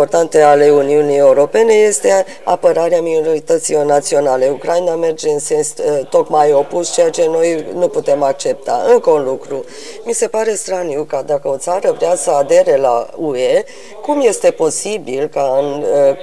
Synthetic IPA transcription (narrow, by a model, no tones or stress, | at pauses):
po̞rt̪ant̪e̞ale̞uniunije̞uɾo̞pe̞ne̞je̞st̪e̞ | a̰pəɾaɾeamino̞ɾit̪ət̪silo̞rnat̪sio̞nale̞ukɾainame̞rd͡ʒe̞ɨnse̞nst̪o̞kmajo̞pust͡ʃe̞jat͡ʃe̞no̞jnuput̪e̞mak̚t͡ʃe̞p̚t̪a̰ɨŋkəunlukɾu | mise̞paɾe̞st̪ɾanukad̪akəo̞t̪saɾəvɾeasəad̪e̞ɾe̞la̰ue̞ | kumje̞st̪e̞po̞sibilkaɨn